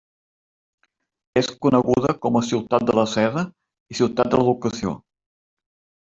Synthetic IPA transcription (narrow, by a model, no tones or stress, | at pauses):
eskunəɣuðəkɔməsiwt̪at̪̚d̪ələsɛðə | isiwt̪at̪̚d̪ələβukəsio̰